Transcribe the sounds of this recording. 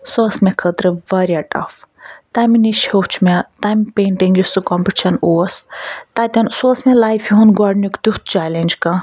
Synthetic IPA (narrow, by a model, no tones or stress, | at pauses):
sosmekʰət̪ɾɨʋɐɾʲjaʈɐ̰ft̪aminiʃhot͡ʃʰmet̪ampeːɳʈiŋɡjusɨkɔmpiʈt͡ʃʰɐnoɐst̪at̪ʲɐnsosmelaːjfʰiɦunɡɔɖnukd̪ut̪̚t͡ʃalenʲd͡ʒkã